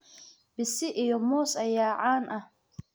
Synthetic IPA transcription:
b̥ɪsɪʔijɔmɔːsɐjaːʕaːnʔɐh

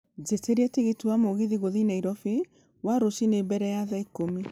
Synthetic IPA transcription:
zeteɾɛtiɣetuwamoɣiðiɣoðinaiɾɔfe | waɾosinebɛɾɛjaðaikomi

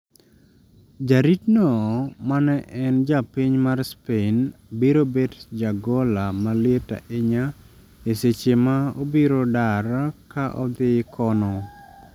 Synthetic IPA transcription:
d͡ʒaɾitnɔmanɛʔɛnd͡ʒapiɲmarspenbiɾobetd͡ʒaɡolamaleta̰ʔeɲa | eset͡ʃemao̰biɾodaɾakaʔɔ̰d̪ɪkʰɔnɔ

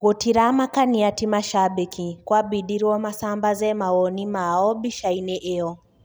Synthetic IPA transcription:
kɔtiɾamakaniatimaʃaɓikikwabiɗiɾɔmasambazɛmawɔnimaɔbiʃainɛʔɛɔ

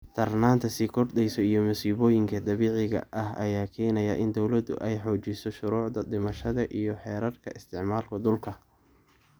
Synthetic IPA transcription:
t̪ʰɐrnaːnt̪ʰɐsiːkʰɔrd̪ɛjsɔijɞmʊsiːβɔːjɪŋkʰɐd̪ɐβiːʕɪɣɐ̰ʔɐhɐjaːkʰɛːnɐjɐʔɪnd̪ɔwlɐd̪ʊ̰ʔɛjħɔːt͡ʃɪsɔʃʊɾuːʕd̪ɐd̪ɪmɐʃɐðɐʔijɞħɛːɾɐrkʰɐʔɪst̪ʰɪʕmaːlkʰɐd̪ʊlkʰɐ

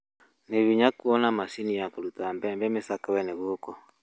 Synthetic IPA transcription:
neβiɲakuɔnamasinijakolutambɛmbɛmesakawɛneβookɔ

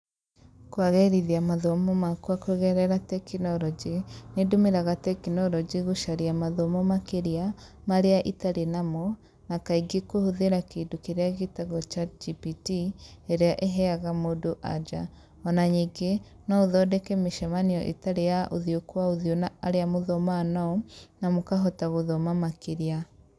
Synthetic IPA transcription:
kwaɣɛɾiðiamaðomɔmakuakweɣɛɾɛɾatɛkinɔɾɔd͡ʒinedomeɾaɣatɛkinɔɾɔd͡ʒiɣuʃaɾiamaðɔmɔmakeɾia | maɾeaʔitaɾenamɔ | nakaiɡekohoðeɾakedokeɾeaɣitaɣɔt͡ʃad͡ʒipitieɾeaʔeɦɛaɣamodoʔa̰d͡ʒa | ɔnaɲiːɡe | nɔoðɔdɛkɛmeʃɛmaniɔʔḛtaɾejaʔoðiokwaoðionaɾeamoðomanaɔnamokaɦɔtaɣoðomamakeɾia

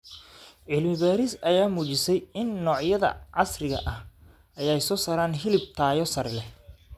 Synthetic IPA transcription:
ʕɪlmɪβaːɾɪsɐjaːmuːt͡ʃɪsɛjɪnːɔːʕjɐðɐ̰ʕɑsrɪɣɐ̰ʔɐh | ɐjɛjsɔːsɐːɾaːnɦɪlɪb̚t̪ʰaːjɔsɐrlɛ

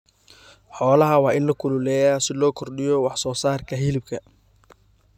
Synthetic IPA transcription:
ħɔːlɐɦɐwɑːʔɪnlɐkʰʊlʊlɛːjaːsɪlɔːkʰɔrɖɪjɔwɑħsɔːsaːrkʰɐɦɪlɪb̚kʰɐ

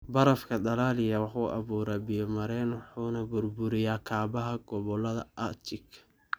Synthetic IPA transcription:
bɐɾɐfkʰɐd̪ɐlaːlɪjɐwɑħuːʔɑ̰βuːɾaːbɪjɔmɐɾɛːnwɑħuːnɐbʊrbʊɾɪjaːkʰaːbɐɦɐɡ̥ɔβɔlɐðɐ̰ʔɐt͡ʃɪkʰ

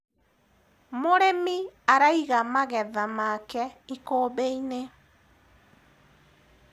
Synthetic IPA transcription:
moɾemiaɾaiɣamaɣɛðamakɛikoːβeine

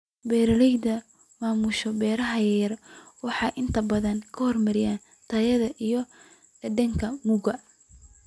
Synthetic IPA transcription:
bɛːɾɐlɛjd̪ɐ | maːmʊʃɔbɛːɾɐɦɐjɐjɐrwɑħɑjʔɪnt̪ʰɐbɐðɐnkʰɐhɔrmɐɾɪjaːn | t̪ʰɐjɐðɐʔijɔ | d̪ɐŋkʰɐmʊɣɐ

